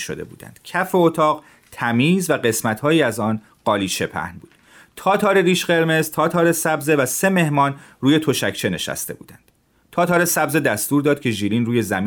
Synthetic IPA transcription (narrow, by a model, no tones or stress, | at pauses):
ʃo̞̰d̪e̞̰bṵːd̪æ̰nd̪̥cʰæfe̞ot̪ʰɒːʁ | t̪ʰæmiːzvæɢe̞smæt̪hɒːjiːæzɒːn | ɢ̥ɒːliːt͡ʃʰe̞pʰæ̰hnbuːd̪̥ | t̪ʰɒːt̪ʰɒːɾe̞ɾiːʃɢe̞ɾme̞zt̪ʰɒːt̪ʰɒːɾe̞sæbze̞væse̞me̞hmɒːnruːje̞t̪ʰoʃæct͡ʃʰe̞ne̞̰ʃæ̰st̪e̞bṵːd̪ænd̪̥ | t̪ʰɒːt̪ʰɒːɾesæbzed̪æst̪uːɾd̪ɒːd̪̥̚cʰe̞ʒiːɾiːnruːje̞zæmː